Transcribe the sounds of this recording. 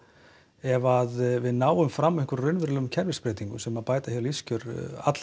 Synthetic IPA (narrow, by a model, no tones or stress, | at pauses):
ɛvaðvɪðnaːwʏmfɾamːɪŋkʏɾrʏnvɪɾlɛɣʏmcʰɛɾvɪspɾɛːt̪iŋkʏsɛmaðpaːjt̪ahjaliscʏɾa̰t̪l̥